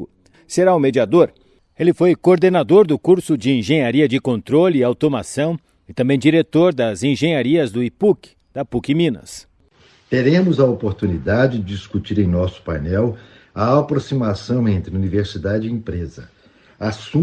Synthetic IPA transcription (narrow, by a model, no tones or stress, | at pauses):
ʊ | seɾaʊmed͡ʒiad̪oɾ | elɪfojkoːɾd̪enad̪oɾd̪ʊkuɾsʊd͡ʒɪẽʒẽɲaɾiɐd͡ʒɪkõnt̪ɾolɪɪawt̪omasɐ̃w̃ | ɪt̪ɐ̃mbẽj̃d͡ʒiɾet̪oɾd̪ɐzẽʒẽjɲaɾiɐzd̪ʊipukɪ̥ | d̪̥ɐpukɪmĩnɐ̰s | t̪eɾẽmʊzɐopoɾt̪unid̪ad͡ʒɪd͡ʒɪd͡ʒiskut͡ʃiɾẽj̃nɔsʊ̥pajnɛw | ɐapɾosimasɐ̃w̃ẽnt̪ɾɪuniveɾsid̪ad͡ʒɪẽpɾezɐ | asũ